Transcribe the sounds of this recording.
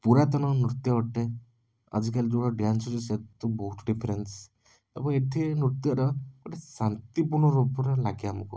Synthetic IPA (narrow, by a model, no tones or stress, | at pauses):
puɾat̪ɔnɔnɾut̪jɔɔʈːe | ə̰d͡ʒikalid͡ʒuɽɔɖɾansɔɾuset̪ːubɔɦut̪ɖipʰeɾens | ḛbɔeʈ̪ʰinɾut̪jɔɾɔkoʈʰesant̪ipuɾɳɔɾubɔɾɔlaɡeamɔku